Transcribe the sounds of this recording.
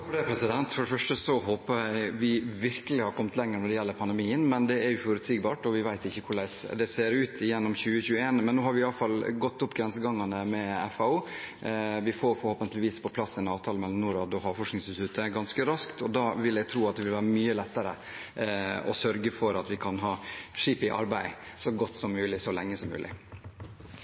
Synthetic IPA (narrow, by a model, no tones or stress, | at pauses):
ɛpʰɾɛsɪd̪ɛnt̪fɔɖɛfœʂʈəsɔɦoːpəɾæɪʋɪʋɪɾkəlɪhɑɾkʰɔmːət̪ʰlɛŋːəɾənɔɾd̪ɛjɛlːəɾpʰɑnd̪ɛmiːənmɛnd̪ɛæɾjʊfɔɾʉt̪siːɡbɑːʈɔʋɪʋæɪt̪ɪçːəkʰʊɭæɪsd̪ɛseːɾʉːt̪ʰɪjɛnːɔmçʉːəçʉːəeːnmɛnːoːɦhɑɾʋɪɑlːəfɑlɡɔt̪ːʊpːɡɾɛnsəɡɑŋːɑnəmɛɛfɑuː | ʋɪfoːfɔɾhoːpənt̪əlɪʋiːspʰɔpʰlɑsːɛnɑːʋt̪ʰɑːləmɛlɔmnuːɾɑd̪ɔhɑːfɔʂknɪŋsst̪ʰʉt̪ʰəɡɑnskəɾɑskt̪ɔd̪ɑːʋɪlɛɡt̪ʰɾuːɑt̪̚d̪ɛʋɪlʋæːɾəmyːəlɛt̪ːəɾə̰ | ɔ̰sœɾɡəfɔɾɑt̪ʋɪkʰɑnɦɑːʂiːpɪʔɑ̰ɾbæɪsɔɡɔt̪ːsɔmːʉːlɪsɔlɛŋːəsɔmːʉ̰ːlʔɪ̰